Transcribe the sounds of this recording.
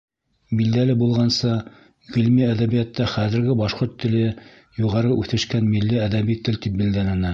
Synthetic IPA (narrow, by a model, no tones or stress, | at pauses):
bild̪ælɘbulˠʁɑnsɤ | ʁɘ̆lmiæðæβijɑt̪ːɑχæðɘ̆ɾɡɘbɑʃqoɾt̪ʰːɘ̆lɘ | juʁɑɾɤʔʉθɘ̆ʃkænmilːiæðæβit̪ɘlt̪ip̚bɘ̆ld̪ænænæ